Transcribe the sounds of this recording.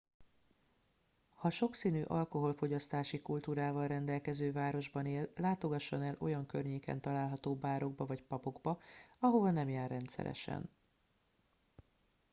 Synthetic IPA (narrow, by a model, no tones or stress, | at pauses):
hɒʃo̞ksiːnyːʔɒlko̞ɦo̞lfo̞ɟɒst̪aːʃikult̪uːɾaːvɒlrɛnd̪ɛlkɛzøːvaːɾo̞ʒbɒneːlːaːt̪o̞ɡɒʃːo̞nɛlʔo̞jɒŋkørɲeːkɛ̰nt̪ɒlaːlɦɒt̪oːbaːɾo̞ɡbɒvɒcpɒpo̞ɡbɒɒɦo̞vɒnɛmjaːrːɛnt̪sɛ̰ɾɛ̰ʃɛ̰n